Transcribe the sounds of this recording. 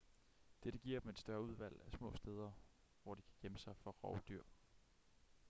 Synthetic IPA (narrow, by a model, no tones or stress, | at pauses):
d̥eɾ̥əɡ̥iɐ̰d̥eme̝d̥sd̥ɶɐuð̞ˠʋæl̰æsmɔ̰̽ːsd̥eːð̞ˠɐ | ʋɒ̰d̥ikʰæ̥ɡ̥jeməsɑ̈ɪfɒ̽ʁɑʊd̥yɐ̰